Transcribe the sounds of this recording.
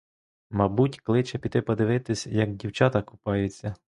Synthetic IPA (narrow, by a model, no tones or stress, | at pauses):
mɐbutʲklˠɪt͡ʃɛpʲiɪpɔd̪ɪʋɪt̪ɪsʲjɐɡ̚dʲiwt͡ʃɑt̪ɐkʊ̥pɑjet͡sʲːɐ